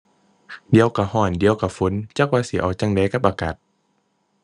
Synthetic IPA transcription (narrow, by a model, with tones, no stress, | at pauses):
di˧˦ə˧wka˧˩hɔː˧˩ndi˧˨əwka˧˩fu˨˦nt͡ɕa˧˥k̚waː˧si˨˧˦ʔɔ̰ː˨˩k̚t͡ɕa˧˨ŋda˧˦jka˧˥p̚ʔaː˧kaː˨˩t̪̚